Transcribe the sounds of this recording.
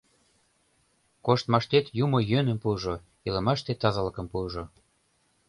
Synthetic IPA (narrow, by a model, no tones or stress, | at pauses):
koʃt̪mɑʃt̪et̪jumojønə̆mpuʒo | ilə̆mɑʃt̪et̪ɑzɑlə̆kə̆mpuʒo